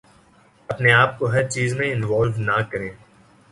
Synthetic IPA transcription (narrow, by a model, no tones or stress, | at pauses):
ɐpneaːp̚koɦɐɾt͡ʃiːzmẽɪ̃nʋaːlʋnakɐɾẽː